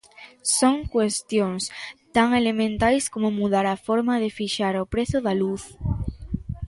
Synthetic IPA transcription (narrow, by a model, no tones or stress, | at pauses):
soŋkwest̪jõŋst̪aŋelemẽnt̪ajskomomuðaɾafoɾmaðefiʃaɾopɾeθoðaluθ